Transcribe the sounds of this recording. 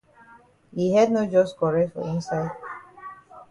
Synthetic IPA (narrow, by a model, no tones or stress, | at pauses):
hiɦɛdnod͡ʒɔskɔɹɛfɔ̰ĩnsaɪd